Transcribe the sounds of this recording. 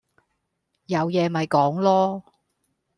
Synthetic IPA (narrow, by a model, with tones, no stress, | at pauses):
jɐ˨˧wjɛː˨˧mɐ˨jkɔː˨˥ŋlɔː˥